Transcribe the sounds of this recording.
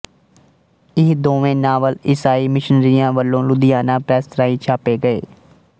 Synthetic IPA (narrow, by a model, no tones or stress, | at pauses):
ɪɦd̪oːʋẽːnaːʋəlɪsaːiːmɪʃənɾiːjãːʋəlːõːlʊd̪ɪjaːnãːpɾɛːst̪ɾaːĩːt͡ʃʰaːpeːɡəḛː